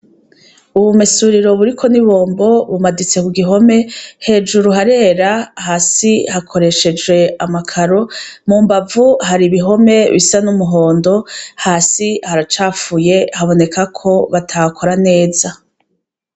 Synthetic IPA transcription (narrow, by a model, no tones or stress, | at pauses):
uβumesuɾiɾo̞βuɾikʰo̞niβo̞ːmbo̞βumadit͡se̞kuɡiɦo̞me̞he̞ːd͡ʒuɾuɦaɾe̞ːɾahasihakʰo̞ɾe̞ʃe̞d͡ʒɡwe̞amakʰaɾo̞muːmbavuhaɾiβiɦo̞me̞βḭsanumuɦo̞ːndo̞haːsihaɾat͡ʃaːfuje̞haβo̞ne̞kʰakʰo̞βatʰakʰo̞ɾane̞ːza